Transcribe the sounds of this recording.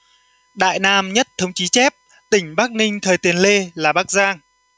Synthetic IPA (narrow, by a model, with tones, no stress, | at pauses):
ɗa̰ː˧˨jnaː˧mɲə˦˥t̚t̪ʰə˧wŋ͡mt͡ɕi˨˦t͡ɕɛ˦˥p̚ | t̪ï˧˩ŋ̟ɓaː˦˥k̚nï˧ŋ̟t̪ʰəː˨˩jt̪i˨˦ənle˧laː˨˩ɓaː˦˥k̚zaː˧ŋ